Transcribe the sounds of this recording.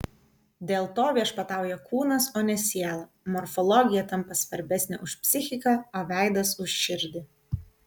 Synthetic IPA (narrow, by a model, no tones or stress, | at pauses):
d̪ʲeːlˠt̪oːʋʲiɛʃpɐt̪ɑˑʊjɛkuːnɐsoːnʲɛsʲiɛlˠɐ | mɔɾfɔlˠɔɡʲɪjɛt̪ɐmpɐsʋɐɾʲbʲɛsʲnʲɛ̰ːʔʊʃpʲsʲɪxʲɪkɑˑoːʋʲæˑɪd̪ɐsʊʃʲʃʲɪɾʲd̪ʲɪ